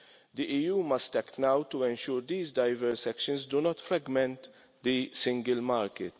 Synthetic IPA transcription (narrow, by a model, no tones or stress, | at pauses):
d̪iʔiːjuːmɐst̪ɛkt̪nɐwt̪uɛ̃nʃuːɾd̪iːzd̪ɐjvɛɾsɛkʃə̃nsd̪unɔt̪fɾɐɡmɛ̃nt̪ | d̪isɪ̃ŋɡɪlmaːɾkɪt̪